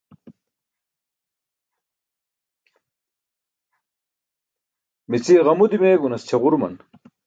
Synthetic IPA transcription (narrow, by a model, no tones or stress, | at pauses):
mit͡siʁɐmud̪imeɡunɐst͡ɕʰeʁuɾmɐ̰n